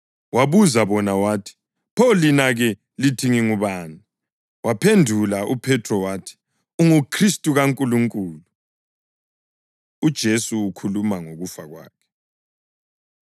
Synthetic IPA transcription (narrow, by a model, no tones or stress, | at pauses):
waβuzaβɔnawaːtʰi̥ | pʰɔlinaɣɛ | litʰiŋiŋuβaːna | wapʰendʱulaʔupʰɛtʰrɔwaːtʰi̥ | uŋukʰristʼuɣaŋkʼuluŋkʼuːlu | ud̥ʒ̥ʱesuukʰulumaŋoɣufaɣwa̰ːkʰɛ̥